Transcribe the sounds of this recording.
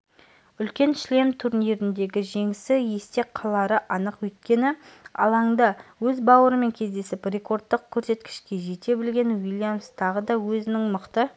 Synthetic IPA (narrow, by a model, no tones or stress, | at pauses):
ʏlkʲe̞nʃle̞mt̪ʰuɾneɾɪnd̪e̞ɡʲɪʒe̞ŋɪsɪje̞st̪e̞qʰɑlˠɑɾəʔɑnəqwɵjt̪kʲe̞nɪɑ̰lˠɑŋd̪ɑwɵzbɑwəɾəme̞ŋkʲʰe̞zd̪e̞sɪprʲe̞ko̞rd̪ːəq̚kʲʰːɵɾse̞t̪kʲɪ̥ʃkʲe̞ʒe̞t̪e̞bɪlɡʲe̞nwilʲˠjamst̪ʰɑʁəd̪ɑwɵzɪnɪŋməqt̪ə